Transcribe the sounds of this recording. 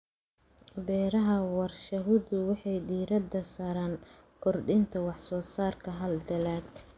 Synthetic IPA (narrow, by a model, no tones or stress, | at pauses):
bɛːɾɐɦɐwɑrʃɐɦʊðʊwɑħɑjd̪iːɾɐd̪ɐsaːɾaːn | kʰɔrɖɪnt̪ʰɐwɑħsɔːsaːrkʰɐɦɐld̪ɐlaːɡ